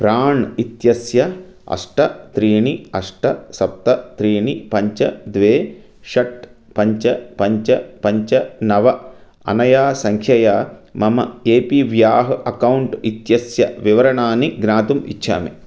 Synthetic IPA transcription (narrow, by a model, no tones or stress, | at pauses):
pɾaːɳit̪jɐsjɐɐ̰ʂʈɐt̪ɾiːɳiɐʂʈɐsɐp̚t̪ɐt̪ɾiːɳipɐɲt͡ʃɐd̪ʋeː | ʃɐʈ̚pɐɲt͡ʃɐpɐɲt͡ʃɐpɐɲt͡ʃɐnɐʋɐ | ɐ̰nɐjaːsɐŋkʰjɐjaːmɐmɐ̰eːpiʋjaːɦɐʔɐkɐwɳʈit̪jɐsjɐʋiʋɐɾɐɳaːniɡnaːt̪umḭtːʃʰa̰ːmḛ